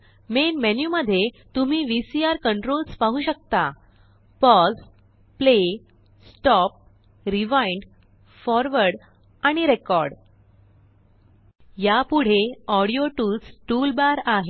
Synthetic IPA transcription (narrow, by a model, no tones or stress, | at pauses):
menmenjuməd̪ʱːje | t̪um̤iːʋisiaɾkəɳʈɾolspaɦuɕək̚t̪a | pɔs | ple | sʈɔp̚ | ɾiʋaiɳɖ | fɔɾʋəɾɽ | aɽ̃iɾekɔɾɽ | japuɽ̤eɔɽijoʈut͡sʈulbaɾaɦe